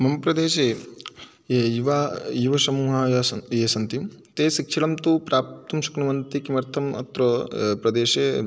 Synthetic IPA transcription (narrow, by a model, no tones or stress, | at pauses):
mɐmpɾɐd̪eːʃe | ejiʋajuʋɐʃɐmuːɦajɐjesɐnt̪im | t̪eːsikʂɐɽɐmt̪upɾaːp̚t̪ɐmʃu̥knɐʋɐnt̪ikimɐɾt̪ʰɐmɐ̰t̪ɾopɾɐd̪eːʃe